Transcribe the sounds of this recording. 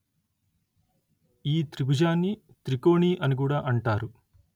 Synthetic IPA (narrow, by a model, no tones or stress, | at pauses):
iːt̪ɾiɡud͡ʒaːnːi | t̪ɾiko̞ːɳiːʔɐnik̬uːɽaːʔɐɳʈaːɾu